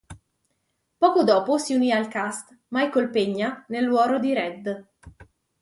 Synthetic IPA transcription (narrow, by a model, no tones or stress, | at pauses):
pɔːkod̪ɔːposiuniːalkast̪ | majkolpeɲːanelːwɔːɾod̪iɾɛd̪